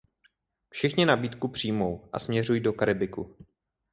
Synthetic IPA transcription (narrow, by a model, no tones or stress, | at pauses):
fʃɪxɲɪnabiːt̪kupr̝̥iːjmo̞wʔa̰smɲɛrujido̞kaɾɪbɪku